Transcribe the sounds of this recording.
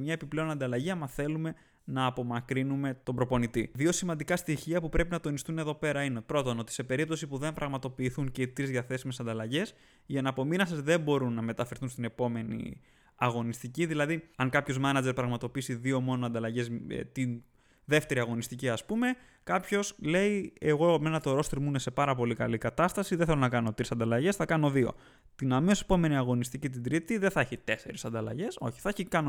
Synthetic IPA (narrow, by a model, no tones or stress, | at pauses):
mɲɐe̞piple̞o̞nɐnd̪ɐlɐʝiɐmɐθe̞lume̞ | nɐːpo̞mɐkɾinume̞t̪o̞bɾo̞po̞nit̪iðio̞simɐnd̪ikɐst̪içiɐpupɾe̞pinɐt̪o̞nist̪une̞ðo̞pe̞ɾɐinepɾo̞t̪o̞no̞t̪i̥se̞pe̞ɾip̚t̪o̞sipuðe̞mpɾʔɐɣmɐt̪o̞piːθunce̞it̪ɾizðiɐθe̞sime̞sɐnd̪ɐlɐʝe̞s | iɐenɐpo̞minɐsezðe̞bo̞ɾunːɐme̞t̪ɐfe̞ɾθunst̪ine̞po̞me̞nḭ | ɐɣo̞nist̪iciðilɐðiɐŋkɐpço̞zmɐnɐd͡ʒeɾpɾɐɣmɐt̪o̞pisiðio̞mo̞no̞ɐnd̪ɐlɐʝe̞z̰t̪in | ðe̞ft̪e̞ɾiɐɣo̞nist̪iciɐspume̞ | kɐpço̞sle̞ieɣo̞menɐt̪o̞ɾo̞st̪ɾimune̞se̞pɐɾɐpo̞likɐlikɐt̪ɐst̪ɐsiðenθelo̞nɐkɐno̞t̪ɾisɐnd̪ɐlɐʝe̞sθɐkɐno̞ðio̞̰ | t̪inɐmeose̞̥po̞me̞niɐɣo̞nist̪icit̪̬ind̪ɾit̪iðeθɐeçit̪e̞se̞ɾisɐnd̪ɐlɐ̰ʝe̞so̞̰çi̥θɐeçikɐno